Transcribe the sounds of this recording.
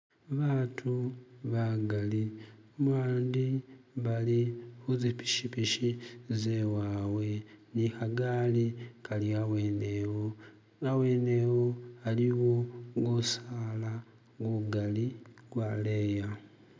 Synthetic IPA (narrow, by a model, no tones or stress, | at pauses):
βatʰuβaɡalimwaːndiβalixuzipi̥ʃipiʃizewawe̞nixaɡalikaliawenewo | awenewoaliwoɡosala | ɡuɡalikwaleja